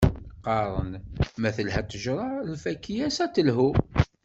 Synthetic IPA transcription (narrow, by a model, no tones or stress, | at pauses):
qːɑɾˤə̰nmæθəlɦæt̪ːəʒɾˤɑlfækːijæsæt̪ːəlɦu